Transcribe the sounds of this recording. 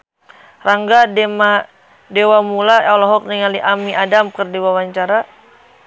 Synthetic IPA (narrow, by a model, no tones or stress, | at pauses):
raŋɡadema | dewamulaawlɔɦɔk̚niŋaliʔamiʔadamkɨrdiwawaɲt͡ʃaɾa